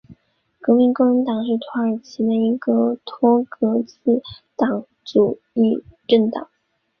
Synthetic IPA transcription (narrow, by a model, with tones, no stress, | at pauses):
kɤ˧˥mi˧˥ŋko˥˩ə˧˥nt̪ɑ˨˩ŋʂɻ̩˥˩t̪ʰwa˧˥ə˞˨˩t͡ɕʰi˧˥d̪ə˧i˧˥ɡə˥˧t̪ʰwɔ˥kɤ˧˥t͡sɹ̩˥˩t̪ɑ˨˩ŋ | ʈ͡ʂu˨˩ | i˥˩ʈ͡ʂə˥˩nt̪ɑ˨˩˦ŋ